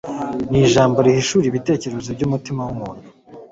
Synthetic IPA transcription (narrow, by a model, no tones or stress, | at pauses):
niʒaːmboɾihiʃuːɾiβite̞ːce̞ɾozibɟuːmutimawumuːnhu̥